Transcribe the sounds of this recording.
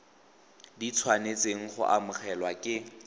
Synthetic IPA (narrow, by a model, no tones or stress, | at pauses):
dit͡sʰwanet͡seŋ̩χʊ̰ʔa̰mʊχɛlwakʼɪ